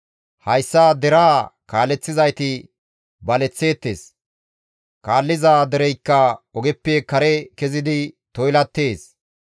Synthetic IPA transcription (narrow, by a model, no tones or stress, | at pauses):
hɐjsːaːd̪ɛɾaːkaːlːɛt͡sːɪzɐjt̪ɪ | bɐlɛt͡sːe̞ːt̪ːe̞̰ːs | kaːlːɪzaːd̪ɛɾɛjkːɐɔɡɛpːeːkɐɾɛkɛzɪd̪ɪt̪ɔjlɐt̪ːeːs